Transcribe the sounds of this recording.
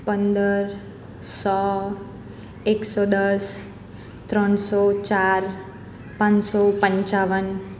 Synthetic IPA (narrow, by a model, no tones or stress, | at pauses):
pənd̪əɾ | sɔ | eksɔd̪əs | t̪ɾəɳsɔt͡ʃaɾ | pãɲsɔpəɲt͡ʃaʋən